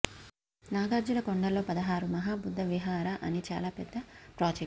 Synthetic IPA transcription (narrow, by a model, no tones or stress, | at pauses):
naːɡaːɾd͡ʒulɐkoɳɖɐlːo̞ːpɐd̪ɐɦaːɾumɐɦaːbud̪ʱːɐʋiɦaːɾaʔɐ̰nit͡ʃa̰ːlaːpɛd̪ːɐpɾɔːd͡ʒe